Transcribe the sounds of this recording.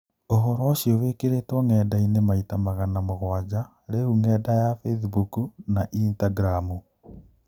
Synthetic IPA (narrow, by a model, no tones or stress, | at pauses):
oɦɔɾɔoɕiɔwekeɾetwɔŋɛːdainemaitamaɣanamoɣwad͡ʑa | ɾeuŋɛdajafesbukunaʔintaɡɾamu